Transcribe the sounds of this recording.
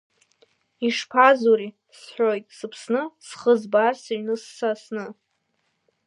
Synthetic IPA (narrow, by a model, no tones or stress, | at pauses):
iʂpʰazuɾi | sħʷᶣojtʼsɨpʰsnɨsχəzbarsaɥnɨsːasnɨ